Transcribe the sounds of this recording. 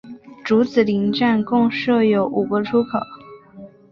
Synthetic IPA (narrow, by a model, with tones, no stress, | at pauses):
ʈ͡ʂu˧˥t͡sɹ̩˨˩li˧˥ŋʈ͡ʂa˥˩˧nkʊ˥˧ŋʂɤ˥˩jo˧˥ʊʔu˨˩ɡə˧˥ʈ͡ʂʰu˥kʰɤ̰˨˩˦